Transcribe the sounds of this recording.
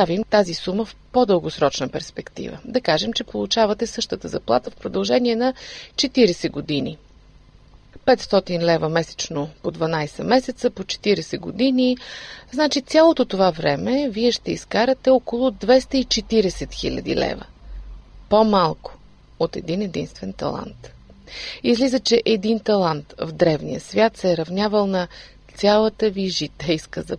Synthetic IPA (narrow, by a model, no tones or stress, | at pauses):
avimt̪azisuməfpod̪ɤlˠɡosɾɔt͡ʃnəpɛɾspɛkt̪ḭvə̰d̪ɐkaʒɛmt͡ʃɛpolˠut͡ʃavɐt̪ɛsɤʃt̪ət̪əzɐplˠa̰t̪əfpɾod̪ɐlˠʒɛniɛnɐt͡ʃɛt̪iɾɛsɛɡod̪inḭ | pɛt̪st̪ɔt̪inlɛvəmɛsɛ̥t͡ʃnopod̪vɐnajsɛmɛsɛt̪səpot͡ʃɛ̥t̪iɾɛsɛɡo̰d̪iniznat͡ʃit̪sʲalˠot̪ot̪ovavɾɛmɛviɛʃt̪ɛiskaɾɐt̪ɛokolˠʊd̪vɛst̪əit͡ʃɛt̪iɾɛsɛt̪xḭlʲɐ̰d̪ḭlɛ̰və̰ | pomalˠkʊ̥ | ot̪ɛ̰d̪inɛd̪ḭnst̪vɛnt̪ɐ̰lˠa̰nt̪ | izlizət͡ʃɛʔɛd̪int̪ɐlˠant̪vd̪ɾɛvnḭjəsvʲjat̪sɛɾɐvnʲjavəlˠnɐ | t̪sʲjalˠət̪əviʒit̪ɛjskəzɐ